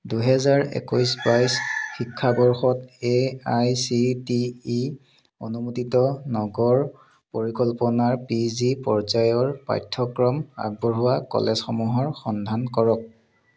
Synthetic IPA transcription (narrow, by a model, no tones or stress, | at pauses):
duɦɛzaɹḛkujsbajsxikʰːabɔɹxɔteajsitiː | o̰numutitɔnɔɡɔɹ | poɹikɔlpɔnaɹpizipɔɹzajɔɹpa̰jtʰːɔkɹɔma̰ɡ̚bɔɹɦuwakɔ̰lɛzxɔmuɦɔɹxɔndʱankɔɹɔk̚